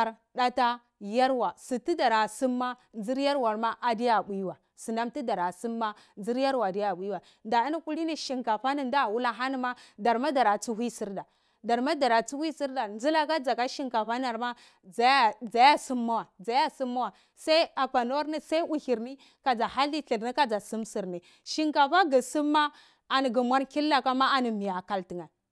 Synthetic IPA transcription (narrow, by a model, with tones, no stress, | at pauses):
a˨ɾ | ɗa˦ta˦ | ja˦ɾwa˨si˨ti˦da˨ɾa˨si˦mːa˦nd͡zi˦ɾja˦ɾwa˨ɾma˦ʔa˨di˦ja˨bu˨˦wa˨ | si˨na˦mti˦da˨ɾa˨si˦mːa˦ | nd͡zi˦ɾja˦ɾwa˨di˦ja˨ɓu˦wa˨ | nda˨i˦n˦ku˦li˦ni˦ʃi˨ŋka˨fa˦ni˨nda˦˨wu˦la˦ɦa˦ni˦ma˦da˨ɾma˦da˨ɾa˨t͡su˦hi˦si˦ɾda˨ | da˨ɾma˦da˨ɾa˨t͡su˦wi˦si˦ɾda˨nd͡zi˦la˦ka˦d͡za˨ka˦ʃi˦ŋka˨fa˦na˨ɾma˦ | d͡za˨ja˦d͡za˨ja˦su˦mːa˦wa˨d͡za˨ja˦si˦mːa˦wa˨ | sa˦i˦a˨pa˨no˦ɾni˦sa˦i˦ʔu˦˨hi˨ɾni˦ | ka˨d͡za˨ha˦lːi˦ɬi˨ɾni˦ka˦d͡za˨si˦msi˨ɾni˨ | ʃi˦ŋka˨fa˦ɡi˨si˦mːa˦ | a˨ni˨ɡi˨mwa˦ɾki˦lːa˦ka˦ma˦a˨ni˨mi˨ja˨ka˦lti˨ŋa˨